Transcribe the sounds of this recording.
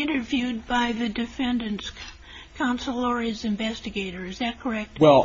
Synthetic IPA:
ɪ̃ñtə˞vjʉd̚baɪðɨdɨfɛ̃ndɨ̃ns | kʰɑ̃nsəl̩ˠɔɹizɨ̃ɱvɛstɨɡeɪɾə˞ɨzðɨt̚kʰə˞ɛk̚t̚wɛlˠ

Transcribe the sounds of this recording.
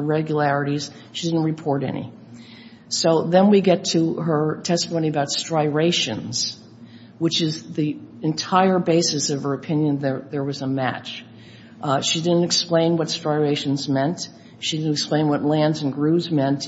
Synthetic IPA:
ɹɛɡjəlæɹɨɾiz̥ | ʃidɪdⁿn̩tɹɨpʰɔɹɾɛ̰nḭ | soʊðɨ̃nwiɡɛtʰɨə˞tʰɛstəmõʊñiɨəbaʊtstɹ̥aɪɹeɪʃɨ̰̃nz̥ | wɨt͡ʃɪzðiɨ̃ntʰaɪə˞beɪsɨsʌv̥ə˞ɨpʰɪ̃njɨ̃nðə˞ðə˞wʌzəmæ̰t͡ʃ | ʃidɪdⁿn̩tɨksplẽɪ̃nwʌtstɹ̥aɪɹeɪʃn̩zmɛ̃nt | ʃidɪdⁿn̩tɨksplẽɪ̃nwʌtˡlæ̃ndzɨ̃n̩ɡɹʉzmɛ̃nt

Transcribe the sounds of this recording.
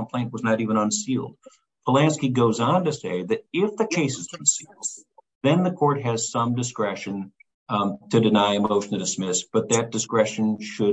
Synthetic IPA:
m̩pʰl̥ẽɪ̃nʔwʌznəɾivə̃ñə̃nsilˠd̥̚ | pʰəlæ̃nskiɡoʊzn̩tɨseɪðɨɾɪfðɨkʰeɪsɨz̥̃n̩silˠd | ðɨ̃nðɨkʰɔɹt̚ɦɨz̥sʌ̃mdɨskɹɛʃɨ̃n | tʰɨdɨnaɪɨmoʊʃn̩tʰɨdɨsmɪsb̥ʌt̪̚ðɨt̚d̥ɨskɹɛʃɨ̃nʃɨ

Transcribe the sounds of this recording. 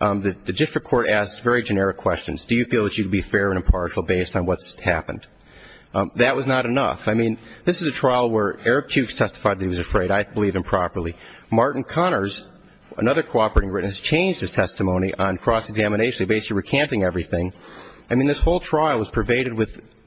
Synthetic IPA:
ðɨðɨd͡ʒɪfɹɨkʰɔɹɾæsksvɛɹid͡ʒɨnɛɹɨkʰw̥ɛst͡ʃɨ̰̃n̩zdɨjɨfilˠðɨt͡ʃɨkdbifɛɹɨ̃ñɨ̃mpʰɑɹʃl̩ˠbeɪstn̩wʌtshæpɨ̃nd̥̪ | ðɨʔ̚wʌznəɾɨnʌ̰faɪmĩnðɪsɨzɨtʰɹ̥aɪl̩ˠwə˞ɛɹɨk̚tʰʉkstʰɛstə̥faɪd̪̚ðɾ̚hiwʌzɨfɹeɪɾaɪbəlivɨ̃mpʰɹ̥ɑpə˞lˠi | mɑɹʔn̩kʰɑñə˞z | ə̰nʌðə˞kʰoʊɑpə˞eɪɾɪ̃ŋɹɪtⁿnɨst͡ʃʰẽɪ̃nd͡ʒd̥̚ɨz̥tʰɛstɨmõʊ̃ñiʔə̃nkʰɹ̥ɔsɨɡzæmɨɾ̃neɪʃn̩libeɪs̩ɹikʰæ̃ntɪ̃ŋɛvɹiθɪ̃ŋaɪmĩnðɪshoʊlˠtʰɹ̥aɪl̩ˠwʌz̥pʰə˞veɪɾɨd̚wɨð̥

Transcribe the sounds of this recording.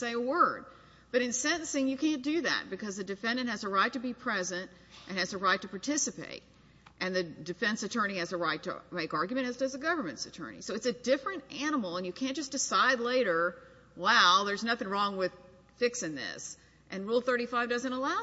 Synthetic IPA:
seɪəwɜ˞d̚ | b̥ʌɾɨ̃nsɛ̃ɾ̃ɨ̃n̩sɪ̃ŋjɨkʰæ̃nd̥ɨðæ̰t̚b̥ɨkʰʌzðɨdɨfɛ̃ndɨ̃nʔ̚hɨzəɹaɪtɨbipʰɹ̥ɛzɨ̃nt | ʔɨ̃nɨzɨɹaɪtʰɨpʰɑɹtʰɪsɨpḛɪɾ̚ | ʔɨ̃nðɨdɨfɛ̃nsɨtʰɜ̃˞ñiɨzɨɹaɪtʰɨ̰meɪkɑɹɡjmɨ̃ñɨztɨzɨɡʌvə˞mɨ̃ntsɨtʰɜ̰˞nḭsoʊɨtsɨdɪfɹɨ̃ntæñəml̩ˠə̃njɨkʰæ̃nd̥ʒ̥ʌsd̥ɨsaɪdˡleɪɾə˞ | waʊðə˞znʌθɪ̃ŋɹɔ̃ŋwɪð̥ | fɪksɨ̃nðɪ̰s | ʔɨ̃nɹulˠθɜ˞ɾifaɪvdʌzɨ̃nəlaʊ

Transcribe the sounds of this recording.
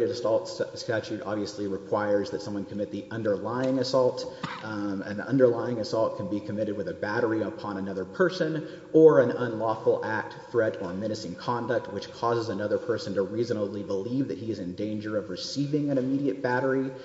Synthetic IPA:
ɾɨɾɨsɔlˠtsstæt͡ʃʉɾɑ̰bviɨsliɹɨkʰw̥aɪə˞zðɨtsʌ̃mwʌ̃nkʰəmɪt̪̚ðiʔʌ̃ndə˞laɪɪ̃ŋɨsɔlˠt | ɨ̰̃nʌ̰̃ndə˞laɪɪ̃ŋɨsɔlˠt̚kʰɨ̃n̩bikʰɨmɪɾɨd̚wɨðɨbæɾə˞iəpʰɑ̃ñɨnʌðə˞pʰɜ˞sɨ̃n | ə˞ɨ̃nʌ̃nlɔfl̩ˠʔæk̚tθɹɛɾə˞mɪ̃ñɨsɨ̃ŋkʰɑ̃ndɨk̚t̚wɨt͡ʃkʰɔzəzɨnʌðə˞pʰɜ˞sɨ̃n̩tɨɹizɨnəlibəlivðɨt̚hiɨzɨ̃ndẽɪ̃nd͡ʒə˞ʌvɹɨsivɪ̃ŋɨ̃ɾ̃ɨmiɾiɨt̚b̥æɾə˞i

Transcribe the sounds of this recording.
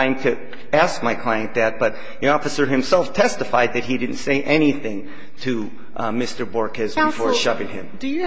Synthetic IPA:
ɪ̃mtʰɨ | æsk̚maɪkʰl̥aɪɨ̃nðɨt̚b̥ʌt̪̚ | ðiɔfɨsə˞ɨ̃msɛlˠftʰɛstɨfaɪd̪̚ðɨt̚ɦidɪdⁿn̩tseɪʔɛniθɪ̃ŋ | tʰɨ | mɪstə˞bɔɹkɨzbɨfɔɹʃʌvɪ̃ŋɪ̰̃m

